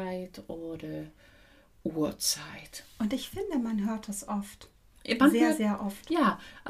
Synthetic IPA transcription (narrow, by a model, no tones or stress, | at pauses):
aɪtʔoːdɐ | ʔuːɐt͡saɪtʔʊntɪçfɪndəmanɦøːɐtd̥asʔɔft | mazeːɐzeːɐʔɔftjaːʔ